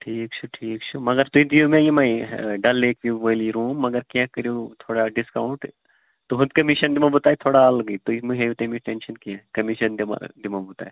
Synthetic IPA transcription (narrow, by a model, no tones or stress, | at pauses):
ʈʰiːkt͡ʃʰuʈʰiːkt͡ʃʰumɐɡəɾt̪uid̪iumẽjimɐ̃ɖɐlːeːkʋiʋɐliɾuːmːɐɡəɾkakɐɾjot̪ʰoːɽaɖɪskaʊ̃ɳʈ | t̪oɦʊd̪kɐmiʃɐnd̪imãbut̪aːit̪ʰoːɽaalɐɡəit̪uimuɦeʋt̪ẽmĩʈenʃɐnkiãkɐmiʃɐnd̪imã̰d̪imãbut̪a̰ːe